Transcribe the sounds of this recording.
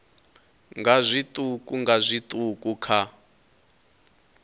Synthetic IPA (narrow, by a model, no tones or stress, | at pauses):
ŋɡazʷit̪ʼukʼuŋɡazʷit̪ʼukʼukʰa